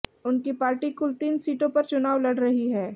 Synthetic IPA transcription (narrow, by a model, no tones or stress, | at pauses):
ʊnkipaːɾʈikʊlt̪iːnsiːʈõpɐɾt͡ʃʊnaːʋlɐɽɾɐɦiɦɛː